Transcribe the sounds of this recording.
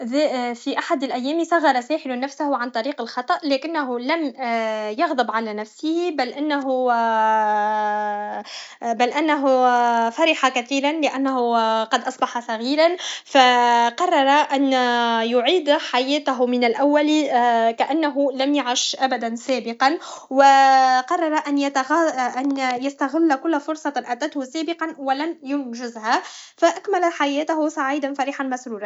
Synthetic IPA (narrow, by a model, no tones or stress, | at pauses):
fiʔaħad̪ɪlʔæjːɛːmisɑɣːɑɾˤɑsɛːħɪlʊnːæfsahʊʕant̪ˤɑɾiːqɪlxɑt̪ˤɑʔlɛːkɪnːæɦulæm | jɑɣd̪ˤɨbʕalænæfsɪhibælʔɪnːaɦu | bælʔɪnːaɦʊfɑɾɪħɑkæθiːlanlɪʔænːaɦuqɑd̪ʔɑsˤbɑħɑsɑɣiːɾanfæqɑrˤːɑɾˤɑʔanjʊʕiːd̪ħajæːt̪aɦʊmɪnalʔawːalikaʔanːaɦʊlamjaʕɪʃʔabad̪ansæːbɪqɑnwɪqɑrˤːɑɾˤɑʔanjat̪ɣʔanjast̪aɣɪlːkʊlːfʊɾsˤɑʔat̪at̪hʊsæːbɪqɑnwɪlamjʊnʒɪzhafaʔakmalaħajæːt̪aɦʊsˤɑʕiːd̪anfaɾiːħɑnmasɾuːɾɑn